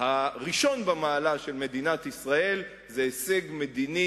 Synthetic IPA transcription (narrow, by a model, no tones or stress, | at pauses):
haʁiʃo̞nbamaːlaʃe̞lme̞d̪inat̪isʁae̞l | zeːseɡme̞d̪ini